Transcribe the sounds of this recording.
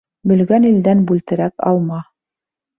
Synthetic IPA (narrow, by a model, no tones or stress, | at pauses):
bɵ̆lɡænild̪ænbʉlt̪ɘ̆ɾækɑ̰lˠmɑ